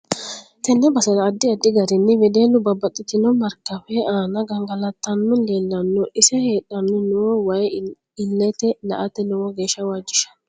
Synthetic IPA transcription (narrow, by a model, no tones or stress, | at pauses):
t̪ɛnːɛbɐsɐlɐːd̪ːɪɐd̪ːɪɡɐɾɪnːɪwɛd̪eːnːʊbɐbːɐt̪ʼːɪt̪ɪnɔmɐɾkːɐfɛaːnɐɡɐŋɡɐlɐt̪ːɐnːɔleːlːɐnːɔʔɪsɛheːɗɐnːɔnʊwɔwɐj | ɪlːɛt̪ɛlɐ̰ʔɐt̪ːɛnʊwɔɡe̞ːʃːɐwaːd͡ʒːɪʃɐ̥n